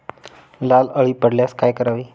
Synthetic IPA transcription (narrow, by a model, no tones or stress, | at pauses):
laləɭiːpəɽljaskajkəɾaʋiː